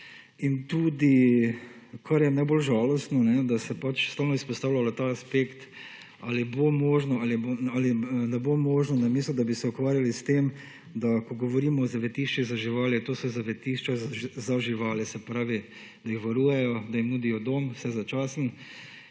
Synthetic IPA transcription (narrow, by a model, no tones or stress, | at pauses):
int̪uːd̪i | kʰaɾjɛnaɪbolʒaːlɔst̪nɔnɛd̪asɛpat͡ʃst̪aːwnɔispɔst̪aːwlalat̪aːspekt̪ | aːlibomoːʒnɔaliboalinɛbomoːʒnɔnamiːslʊd̪abisɛukʋaːɾjalist̪em | d̪akɔɡɔʋɔɾiːmɔːzaʋɛt̪iʃt͡ʃizaʒiʋaːlɛt̪oːsɔzaʋɛt̪iʃt͡ʃazaʒiʋaːlɛsɛpɾaːʋi | d̪ajixʋaɾuːjɛjɔd̪ajimnuːd̪ijɔd̪oːmwsɛzat͡ʃaːsn̩